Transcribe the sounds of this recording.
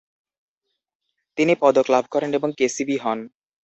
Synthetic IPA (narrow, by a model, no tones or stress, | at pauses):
t̪inipɔd̪oklabʱkɔɾeneboŋkesibiɦɔn